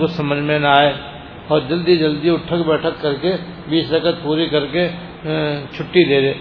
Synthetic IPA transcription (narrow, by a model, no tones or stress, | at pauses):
kosɐməd͡ʒʱmenaːe | ɔːɾd͡ʒɐld̪id͡ʒɐld̪iʊʈʰəkbɛːʈʰəkːɐɾkebiːsɾəkət̪̚puːɾikɐɾke | t͡ʃʰʊʈːid̪eːɾeː